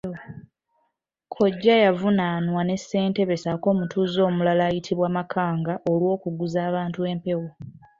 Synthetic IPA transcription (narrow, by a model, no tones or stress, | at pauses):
kʰo̞ɟːajavunanwane̞sːe̞ːnte̞βe̞sako̞ːmutʰuːzo̞ːmulalaːjitʰiβwaːmakʰaːŋɡaʔo̞lwo̞ːkuɡuzaːβaːntue̞mpe̞wo